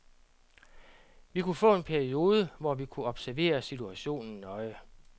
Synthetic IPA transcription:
ʋikʰufɔ̰̽ːe̝npʰæɐio̝ːð̞ˠəʋɒʋikʰuɒ̽b̥sæɐʋe̝̰ːɐsit͡sʰuæɕo̝̰ːnn̩nɒ̽ɪə

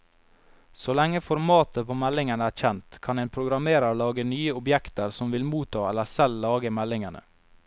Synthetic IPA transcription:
solɛŋːəfɔɾmɑːt̪əpʰoːmɛlɪŋənəæːɾçɛnt̪kʰɑneːnpʰɾʊɡɾɑmeːɾɑɾlɑːɡənyːəʊbjɛkt̪əɾsɔmʋɪlmuːt̪ʰɑːɛləsɛlːɑːɡəmɛlɪŋənə̰

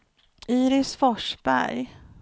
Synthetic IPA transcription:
ʔiːɾɪsfɔʂbæ̰ɾj

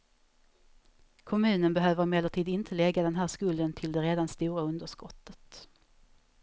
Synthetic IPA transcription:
kʰɔmʉ̟ːnənbɛɦøːvəɾmeːlːəʈʰiːd̪ɪnt̪ʰəlɛɡːad̪ɛnɦæːʂkɵld̪ənt̪ʰɪld̪ɛɾeːd̪anst̪uːɾaɵnd̪əʂkɔt̪ʰːət̪

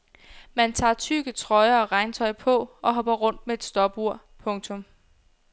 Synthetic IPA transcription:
mænt͡sʰɑ̰̈ːt͡sʰyːɡ̥ət͡sʰʁɒ̽ɪɐɒ̽ʁɑ̈ɪnt͡sʰɒ̽ɪpʰɒ̽ʔɒ̽ɦɒ̽b̥ɐʁɔ̽n̰d̥mee̝d̥sd̥ɒ̽b̥uɐ̰ | pʰɔ̽ŋt͡sʰɔ̽m

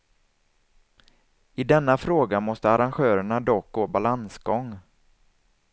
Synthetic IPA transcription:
ɪd̪ɛnːafɾoːɡamɔst̪əaɾanɧøːɾəɳad̪ɔk̚ɡoːbalansɡɔŋ

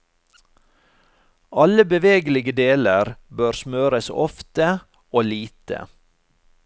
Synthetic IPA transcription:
ʔɑləbəʋeːɡlɪɡəd̪eːləɾbøːɾsmøːɾəsɔ̰ft̪ə | oːliːt̪ə̰

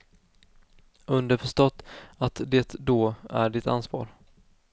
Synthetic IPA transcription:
ɵnd̪əɾfœʂʈ̪ɔt̪ːat̪d̪eːt̪d̪oːæ̰ɖɪt̪a̰nsvɑ̰ːɾ

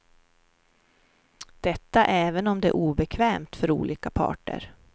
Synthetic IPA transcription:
d̪̥ɛt̪ːaʔɛːvənɔmd̪ɛæ̰ʔuːbɛkʰvɛːmt̪fœɾṵːlʔiːkapʰɑ̰ːʈə̰ɾ

